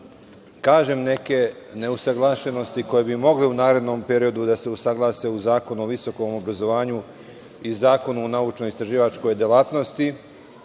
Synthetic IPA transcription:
kaːʒemne̞ke̞ne̞usaɡlˠaːʃeno̞st̪iko̞jebimo̞ɡleunaːɾe̞d̪no̞mpe̞ɾio̞d̪ud̪ase̞usaɡlˠaːse̞uzaːko̞nuoʋiso̞ko̞mo̞bɾazo̞ʋaːɲu | izaːko̞nuonaut͡ʃnoist̪ɾaʒiːʋat͡ʃko̞jd̪jelaːt̪no̞st̪i

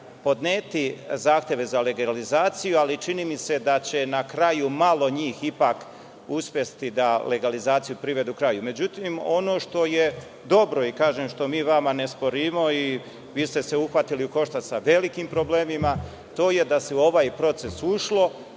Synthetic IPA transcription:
po̞d̪neːt̪izaːxt̪je̞ʋe̞zale̞ɡalizaːt̪sijualit͡ʃiniːmise̞d̪at͡ɕe̞nakɾajumalˠo̞ɲiːxipaːk | uspje̞st̪id̪ale̞ɡalizaːt̪sijupɾiʋe̞d̪uukɾajume̞d͡ʑut̪imo̞no̞ːʃt̪o̞je | d̪o̞bɾo̞ikaːʒemʃt̪o̞miːʋamane̞spo̞ɾiːmo̞i | ʋiːst̪e̞seuxʋat̪iliuko̞ʃt̪asaʋe̞likiːmpɾo̞bleːmima | t̪o̞ːje̞d̪aseo̞ʋaːjpɾo̞t̪se̞suʃlo̞

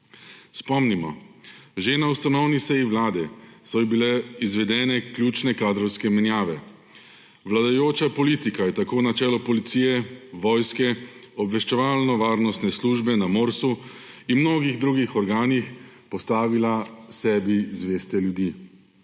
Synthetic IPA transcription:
spɔmnimɔʒenaust̪anɔwnisɛjiʋlaːd̪ɛsɔjbilɛizʋɛd̪ɛːnɛkljuːt͡ʃnɛkaːd̪ɾɔwskɛmɛnjaːʋɛ | ʋlad̪ajoːt͡ʃapɔliːt̪ikajɛt̪akoːnat͡ʃɛːlɔpɔlit̪siːjɛʋɔjskɛɔbʋɛʃt͡ʃɛʋaːlnɔʋaːɾnɔst̪nɛsluːʒbɛnamoːɾsu | inmnoːɡiɣd̪ɾuːɡixɔɾɡaːnixpɔst̪aːʋilasɛːbizʋeːst̪ɛljud̪iː

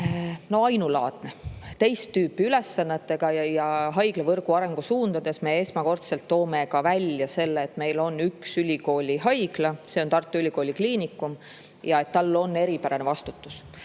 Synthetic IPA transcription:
no̞ɑjnulɑ̰ːt̪ˑne̞t̪e̞jst̪ːyːpːˑiyle̞sːɑnːet̪ːe̞ɡ̥ɑjɑjɑɦɑjɡ̥lɑvɤrɡ̥uɑɾe̞ŋɡ̥usuːnd̪̥ɑd̪̥e̞smee̞smɑko̞rt̪se̞lt̪ːo̞ːme̞kɑvælʲjɑse̞lːeːt̪ːme̞jlo̞nːyksylʲiko̞ːlʲiɦɑjɡ̥lɑse̞ont̪ɑrt̪ːˑuylʲiko̞ːlʲikliːnikːˑum | jɑe̞t̪ːɑlːo̞nːe̞ɾipæɾɑne̞vɑst̪ut̪ːˑus

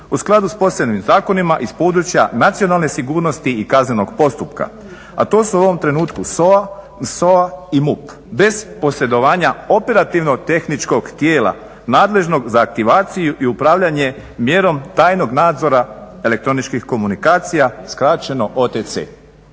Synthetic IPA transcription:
usklˠad̪uspo̞sebnimzaːko̞nimaʔispo̞ːd̪ɾut͡ʃjanat̪sio̞nalˠne̞siɡuːɾno̞st̪iikazneno̞ɡpo̞st̪upka̰ | a̰t̪o̞ːsuuo̞ʋo̞mt̪ɾe̞nuːt̪kusoa | soaimup | be̞zpo̞se̞d̪o̞ʋaːɲao̞pe̞ɾat̪iʋno̞t̪e̞xnit͡ʃko̞ɡt̪je̞ːla̰ | naːd̪le̞ʒno̞ɡzaːk̚t̪iʋaːt̪sijuʔiupɾaːʋʎaɲe̞ | mje̞ɾo̞mt̪aːjno̞ɡnaːd̪zo̞ɾae̞le̞k̚t̪ɾo̞nit͡ʃkixko̞munikaːt̪sijaskɾat͡ʃe̞no̞ʔo̞ːt̪et̪sḛː

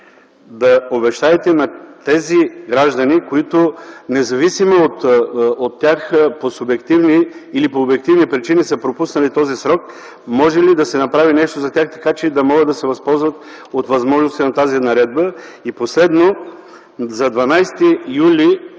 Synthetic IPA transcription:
d̪ɐobɛʃt̪aɛt̪ɛnɐt̪ɛziɡɾaʒd̪ɐnikoit̪ʊnɛzɐvisimoot̪ot̪ːjaxposʊbɛkt̪ivniːlipoːbɛk̚t̪ivnipɾit͡ʃinisəpɾopusnɐlit̪ɔzisɾɔk | mɔʒɛlid̪ɐsɛnɐpɾavinɛʃt̪ozɐt̪ʲaxt̪ɐ̥kat͡ʃɛid̪ɐmɔɡəd̪d̪ɐsɛvɐspɔlˠzvɐt̪ | ot̪vɐzmɔʒnost̪inɐt̪azinɐɾɛd̪̚bəiposlɛd̪no | zɐd̪vɐnajst̪ijuli

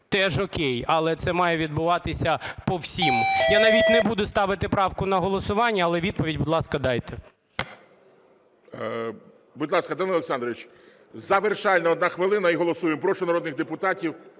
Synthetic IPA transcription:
t̪ɛʒɔkʲejɐlˠɛt̪sɛmɑjɛʋʲid̪̚bʊʋɑt̪ɪsʲɐpɔwsʲimjanɐʋʲitʲnɛbud̪ʊst̪ɑʋɪt̪ɪpɾɑwkʊnɐɦɔlˠɔsʊʋɑnʲːɐːlˠɛʋʲid̪̚pɔʋʲidʲbʊd̪ʲlˠɑskɐd̪ɑjt̪ɛ | bʊdlˠɑskɐd̪ɑnɐɔlˠeksɑnd̪ɾɔʋʲit͡ʃ | zɐʋerʃɑlʲnɐɔd̪nɑxʋɪlˠɪnɐiɦɔlˠɔsujempɾɔʃɔnɐɾɔd̪nɪɣd̪epʊt̪ɑtʲiw

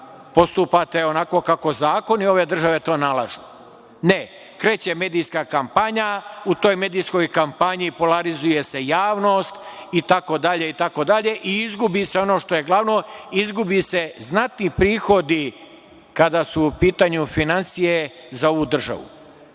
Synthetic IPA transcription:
po̞st̪upat̪e̞onako̞kako̞zaːko̞nio̞ʋe̞d̪r̩ʒaʋe̞t̪o̞ːnalˠaʒu | ne | kɾe̞ːt͡ɕe̞me̞ːd̪ijskakampaɲaut̪o̞ːjme̞ːd̪ijsko̞jkampaɲipolaɾizuje̞se̞jaːʋno̞ːst̪it̪ako̞d̪aʎe̞it̪ako̞d̪aʎe̞ʔiizɡubise̞o̞no̞ːʃt̪o̞je̞ɡlˠaʋno̞izɡubise̞znat̪nipɾiːxo̞d̪i | kad̪asuːpiːt̪aɲufinansije̞zao̞ʋud̪r̩ʒa̰ʋṵ

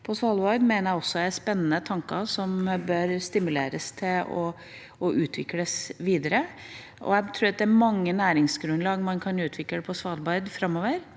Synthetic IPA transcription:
pʰɔsʋɑlbɑɪd̪meːnəɾæɔsːɔææspɛnːənət̪ʰɑŋkɑsɔmbœɾst̪ɪmʉlḛːɾə̰st̪ʰɪlɔ̰ | ɔʔʉːt̪ʰʋɪkːləsʋiːd̪əɾə | ʔɔ̰æt̪ʰɾʉːɑt̪d̪ɛæmɑŋːənæːɾɪŋsɡɾʉnd̪lɑɡmɑnkʰɑnʉːt̪ʰʋɪkləpʰɔsʋɑlbɑɪd̪fɾɑmːoːʋəɾ

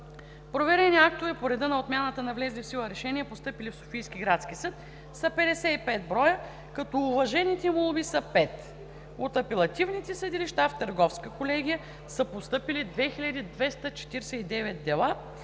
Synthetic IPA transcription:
pɾovɛɾɛniak̚t̪ovɛpoɾɛd̪ənɐot̪mʲjanət̪ənɐvlɛzʲlifsilˠəɾɛʃɛniɛpost̪ɤpilifso̥fijskʲiɡɾat̪sk̟isɤt̪ | sɐpɛd̪ɛsɛipɛt̪̚bɾɔjə | kɐt̪ɔːvɐʒɛnit̪ɛmolˠubisɐpɛt̪ | ot̪ɐpɛlˠɐt̪ivnit̪ɛsəd̪iliʃt̪aft̪əɾɡɔfskəkolɛɡʲijə | səpost̪ɤpilid̪vɛxiʎʲɐd̪id̪vɛst̪ət͡ʃɛ̥t̪iɾsɛid̪ɛvɛt̪̚d̪ɛlˠa

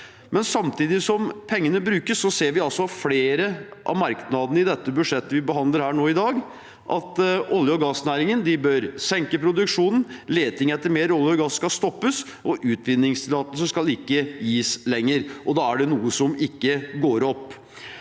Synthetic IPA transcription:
mɛnsɑmt̪ʰiːd̪ɪsɔmpʰɛŋːənəbɾʉːkəsːɔseːɾʋɪɑlsɔfleːɾəʔɑ̰ʋmɑɾknɑd̪ənəɪd̪ɛt̪ːəbʉʂɛt̪ːəʋɪbəɦɑnd̪ləɾhæːɳoːɪd̪ɑːɡ | ʔɑ̰t̪ʔɔljəɔɡɑsnæːɾɪŋənd̪ɪbœɾsɛŋkəpʰɾʊd̪ʉkʂuːnn̩leːt̪ɪŋɛt̪ʰːəɾmeːɾɔljəɔɡɑsːkɑst̪ɔpːəs | ʔɔʔʉːt̪ʰʋɪnːɪŋslɑːt̪əsəskɑlɪkːəjiːslɛŋːəɾʔɔd̪ɑːæɖɛnuːəsɔmɪkːəɡoːɾɔpː

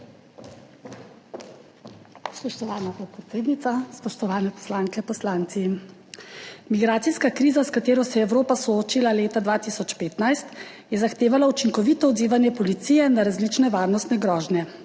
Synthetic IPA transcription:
spɔʃt̪ɔʋaːnapɔt̪̚pɾɛt̪seːd̪nit̪saspɔʃt̪ɔʋaːnɛpɔ̥slaːŋkɛpɔslaːnt̪si | miɡɾaːt̪siskakɾiːzaskat̪eːɾɔsɛjɛwɾoːpasɔoːt͡ʃilaleːt̪ad̪ʋaːt̪isɔt͡ʃpeːt̪najst̪ | jɛzaxt̪eːʋalaut͡ʃiŋkɔʋiːt̪ɔɔd̪ziːʋanjɛpɔlit̪siːjɛnaɾazlit͡ʃnɛʋaːɾnɔst̪nɛɡɾɔːʒnjɛ

